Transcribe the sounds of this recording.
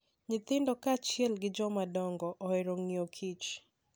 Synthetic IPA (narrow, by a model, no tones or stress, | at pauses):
ɲɪt̪ɪndɔkaːt͡ʃijɛlɡɪd͡ʒɔmadɔŋɡɔʔɔɛɾoŋniokʰit͡ʃ